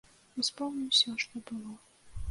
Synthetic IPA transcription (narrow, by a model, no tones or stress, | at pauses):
uspɔwnʲiwsʲɔʂt̪ɔbɨlˠɔ